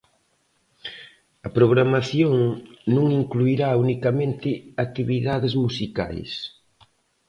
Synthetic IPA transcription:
ɐpɾoɣɾamaθjoŋnũŋiŋkluiɾaunikamẽnt̪ɪak̚t̪iβiðaðɪzmusika̰js

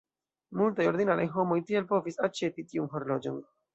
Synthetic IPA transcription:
multajo̞ɾdinalajɦo̞mo̞jtie̞lpo̞visat͡ʃe̞pitiunɦo̞ɾlo̞d͡ʒo̞n

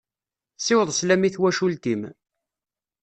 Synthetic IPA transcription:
sɪwəðˤslæmiθwæʃult̪im

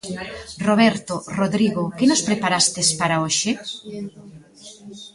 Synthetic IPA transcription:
roβ̞ɛɾt̪oroðɾiɣokɪnospɾepaɾast̪ɪspaɾaoʃɪ

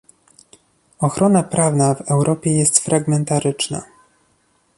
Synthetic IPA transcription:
ɔxɾɔnapɾʔavnavɛwɾʔɔpʲjɛjɛst̪fɾʔaɡmɛnt̪aɾɘt͡ʂna̰

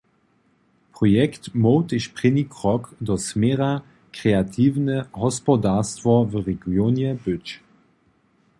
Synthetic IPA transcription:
pʁɔjɛktmɔwt̪eʃpʁ̥enikʁɔkdɔsmɛːʁa | kʁeatʰiːvnɛɦɔspɔdastvɔvʁɛɡjonjɛbʏt͡ʃ

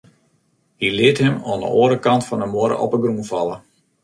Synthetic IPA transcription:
hilɪəthɛmɔːndə̰oːɾəkɑntfɔnəmoəɾə̰ʔɔ̰pəɡrunfɑlˠə

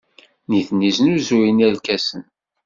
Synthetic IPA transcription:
niθniznuzuinælkæsən

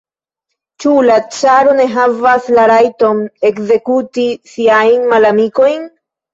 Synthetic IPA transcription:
t͡ʃulat͡ʃaɾo̞ne̞ɦavaslaɾajto̞ne̞kze̞kutisiajnmalamiko̞jn

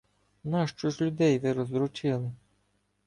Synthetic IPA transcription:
nɑʃt͡ʃɔʃʲlʲʊd̪ɛjʋɪɾɔzd̪ɾut͡ʃɪlˠɪ

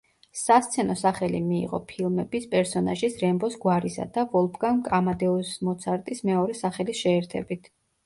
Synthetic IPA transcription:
sast̪sʰɛnɔsaχɛlimḭːʁɔ̰pʰilˠmɛbispʼɛɾsɔna̰ʒisɾɛmbɔsɡwaɾisa̰d̪avɔlˠpʰɡaŋkʼamad̪ɛɔsmɔt̪sʰaɾt̪ʼismɛɔɾɛsaχɛlisʃɛːɾt̪ʰɛ̰bit̪ʰ

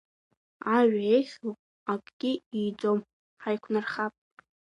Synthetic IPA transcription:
aɥᶣaeχʲl | akʼɡ̥ʲɪijd͡zom | ħajkʷʰnarχapʼ

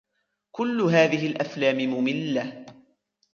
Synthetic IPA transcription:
kʊlːʊɦaːðɪɦɪlʔaflaːmɪmʊmɪlːa

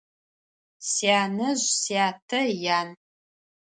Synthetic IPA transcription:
sjaːnɐʑsiaːtʰɐjaːn

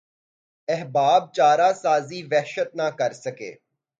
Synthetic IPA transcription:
ɛɦbaːb̚t͡ʃaːɾaːsaːziːʋɛɦʃət̪̚nakɐɾsəkḛː

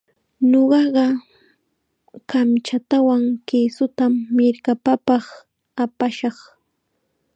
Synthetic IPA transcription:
ɲoɢɑɢɑ | kamt͡ʃat̪awaŋkɪsʊt̪amːɪɾkapapɑχ | apaʃɑχ

